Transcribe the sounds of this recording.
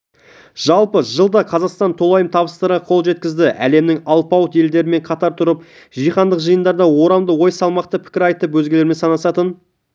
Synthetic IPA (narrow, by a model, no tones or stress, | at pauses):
ʒ̥ɑlˠpəʒəlˠd̪ɑqʰɑzɑqst̪ɑnt̪ʰo̞lˠɑjəmt̪ʰɑβəst̪əɾʁɑqʰo̞lˠʒe̞t̪kʲɪzd̪ɪʔæ̰le̞mnɪŋɑlˠpɑwt̪e̞ld̪e̞ɾɪme̞ɴqʰɑt̪ɑɾt̪ʰʊɾəp | ʒijχɑnd̪əqʒəjənd̪ɑɾd̪ɑwo̞ɾɑmd̪əwo̞jsɑlˠmɑqt̪əpʰɪ̥kʲɪɾɑjt̪əpwɵzɡʲele̞ɾme̞nsɑnɑsɑt̪ən